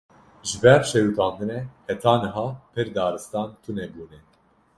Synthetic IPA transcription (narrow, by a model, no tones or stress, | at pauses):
ʒɨbɛɾʃɛjut̪ʰɑːnd̪ɨnɛhɛt̪ʰɑːnɨɦɑːpʰɨɾd̪ɑːɾɨst̪ɑːnt̪ʰunɛbuːnɛ